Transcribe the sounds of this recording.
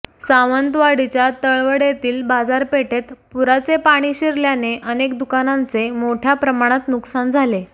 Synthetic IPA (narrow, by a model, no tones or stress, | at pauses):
saʋənt̪ʋaɽit͡ɕjat̪əɭʋəɽjet̪iːlbad͡zaɾpeʈet̪puɾat͡sepaɽ̃iːɕiɾljaneʔənekd̪ukanãnt͡semoʈʰjapɾəmaɽ̃at̪nuksand͡zʱale